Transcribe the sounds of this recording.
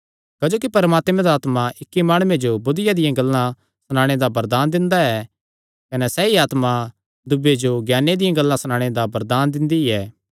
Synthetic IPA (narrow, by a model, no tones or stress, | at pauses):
kɐd͡ʒoːkipɐɾəmaːt̪mẽd̪aaːt̪maʔɪkːimaːɽ̃uẽd͡ʒobʊd̪ɪjad̪ɪjãɡɐlːã | sɐñãːɽ̃ed̪abɐɾd̪aːnd̪ɪ̃nd̪aɛ | kɐnɛsɛiaːt̪ma | d̪ʊbed͡ʒoɡjaːned̪ɪjãɡɐlːãsɐñãːɽ̃ed̪abɐɾd̪aːnd̪ɪ̃nd̪iiɛː